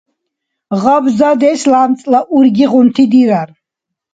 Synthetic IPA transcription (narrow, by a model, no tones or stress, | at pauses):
ʁabzad̪ɛslamt̪t͡s̪ʼlaʔuɾɡiʁunt̪ʰid̪iɾaɾ